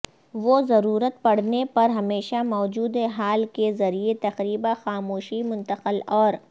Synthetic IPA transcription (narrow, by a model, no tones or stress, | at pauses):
ʋozɐɾuːɾət̪̚pɐɽ̤nepɐɾɦɐmeːʃamɔːd͡ʒuːd̪eɦaːlkezɐɾiet̪ɐqɾiːbaxaːmoːʃimʊ̃nt̪əqəlɔːɾ